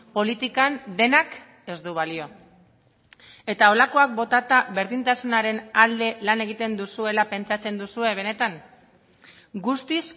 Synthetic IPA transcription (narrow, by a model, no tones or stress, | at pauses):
po̞lit̪ikand̪e̞nak | e̞zd̪uβalio̞ | e̞t̪ao̞lako̞ak̚bo̞t̪at̪aβe̞ɾðint̪asunaɾe̞nald̪e̞lane̞ɣ̞it̪e̞nd̪usue̞lape̞nt͡sat͡se̞nd̪usue̞β̞e̞ne̞t̪aŋ | ɡust̪is